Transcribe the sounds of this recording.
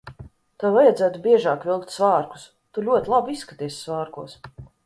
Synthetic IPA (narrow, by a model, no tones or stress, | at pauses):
t̪awvajad̪zæːt̪ubʲiɛʒaːkvilˠkt̪ʲsvaːɾku̥s | t̪ulʲuɔt̪ʲlˠabuisːkat̪iɛssvaːɾkuɔs